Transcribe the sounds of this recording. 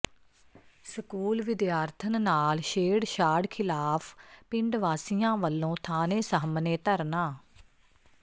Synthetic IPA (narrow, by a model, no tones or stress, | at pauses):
səkuːlʋɪd̪jaːɾt̪ʰənnaːlʃeːɽʃaːɽkʰɪlaːpʰpɪɳɖʋaːsijãːʋəlːõːt̪ʰaːneːsəɦmneːt̪əɾnaː